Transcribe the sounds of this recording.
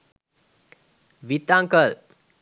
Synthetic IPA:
ʋit̪aŋkəl

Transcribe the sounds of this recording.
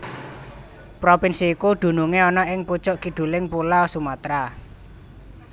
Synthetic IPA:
pɾopinsiːkuɖ̪̥ṳnuŋeɔnɔʔɪŋput͡ʃʊʔkiɖ̪̥ṳlɪŋpulaɔsumat̪ɾa

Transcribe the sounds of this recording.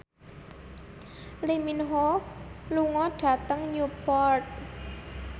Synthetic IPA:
liminɦoluŋɔɖ̥ä̤t̪əŋɲupɔrt̪̚

